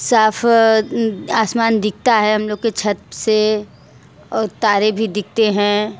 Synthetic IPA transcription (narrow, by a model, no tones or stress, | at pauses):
saːfʰ | aːsmaːnd̪ɪk̚t̪aɦɛɦɐmloːɡ̚ket͡ʃʰɐt̪̚se | ɔːɾt̪aːɾebʱid̪ɪk̚ʰt̪eɦɛ̃ː